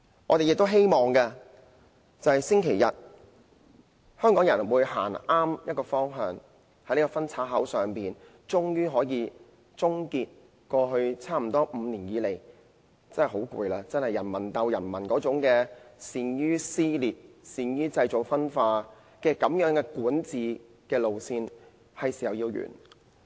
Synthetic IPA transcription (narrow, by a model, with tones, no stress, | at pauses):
ŋʔɔː˨˧ɾe˨jɪ˨k̚t̪o˥wɦe˥jmɔː˨ŋkɐ˧ | t͡sɐ˨whɐ˨jsɪ˥ŋkʰe˨˩jɐ˨t̚ | hœː˥ŋkɔː˨˥ŋjɐ˨˩nwuː˨˧jɦa̰ː˨˩naː˥mjɐ˥t̚kɔː˧fɔː˥ŋɦœː˨˧ŋ | hɐ˨˥jni˥kɔː˧fɐ˥nt͡sʰaː˨˥t̚ɦɐ˨˥wsœː˨˩ŋpiː˨n | t͡ʃʊ˥ŋjyː˥ɦɔː˨˥jiː˨˧ | t͡sʊ˥ŋkiː˧t̚ | kɔː˧ɦɵ˧ɥt͡sʰaː˥m̩˨˩t̪ɔː˥ʔm̩˨˧niː˨˩njiː˨˧le˨˩j | t͡sɐ˥nhɐ˨˩ɦo˨˥wkʷṵ˧jlaː˧t͡sɐ˥nhɐ˨˩jɐ˨˩nmɐ˨˩nt̪ɐ˧wjɐ˨˩nmɐ˨˩nkɔː˨˥t͡sʊ˨˥ŋkɛː˧siː˨njyː˥siː˥liː˨˩t̚siː˨njyː˥t͡sɐ˧jt͡so˨˩k̚fɐ˥nfaː˧ | kɛː˧kɐ˨˧˥mjœː˨˥ŋkɛː˧kuː˨˥nt͡siː˨˧ | kɛː˧lo˨wsiː˧n | hɐ˨jsi˨˩jɐ˨wjiː˧wjy̰ː˨˩n